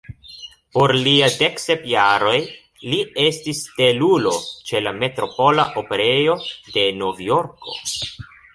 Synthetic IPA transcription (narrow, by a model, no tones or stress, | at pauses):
po̞ɾliade̞ksepjaɾo̞j | lie̞stiste̞lulo̞t͡ʃe̞lame̞tɾo̞po̞laʔo̞pe̞ɾe̞jo̞de̞no̞vjo̞ɾko̞̰